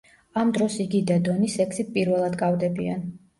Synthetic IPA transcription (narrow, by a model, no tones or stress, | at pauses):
amd̪ɾɔsiɡid̪ad̪ɔnisɛkʰsit̪̚pʼiɾvɛlˠad̪kʼavd̪ɛbia̰n